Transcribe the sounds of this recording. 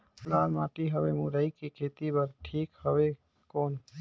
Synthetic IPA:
lalmaːʈiɦəbemuɾəikekʰet̪ibəɾʈʰiːkhəbe | koːn

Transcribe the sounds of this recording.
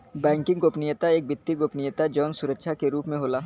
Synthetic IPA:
bɛ̃ːŋkɪ̃ŋɡɡoːpnɪjət̪aeːk̚bɪt̪ːiɡoːpnɪjət̪ad͡ʒɔːnsʊɾəkʃʰakeɾuːpmẽɦoːlaː

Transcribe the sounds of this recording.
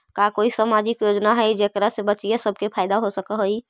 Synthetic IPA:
kakoisamad͡ʒikjod͡ʒnaɦəjd͡ʒekɾasebət͡ʃijesəb̚ʱkepʰaɪd̪aɦosəkəɦəj

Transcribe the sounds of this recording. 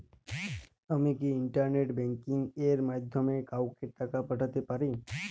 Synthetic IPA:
əmẽkiɪɳʈəɾneʈbɛ̃ŋkiŋɡeɾmad̪ʱjəmekawkeʈːəkapəʈət̪epəɾi

